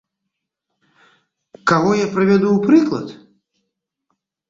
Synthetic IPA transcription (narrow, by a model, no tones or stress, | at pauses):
kaɣɔjapɾɨvʲad̪uwpɾɨklˠɐ̰t̪